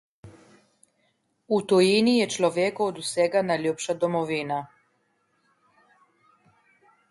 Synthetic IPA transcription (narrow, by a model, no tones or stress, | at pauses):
ut̪ojinijɛt͡ʃloʋjekood̪usɛɡanajlʲjupʃad̪omoʋina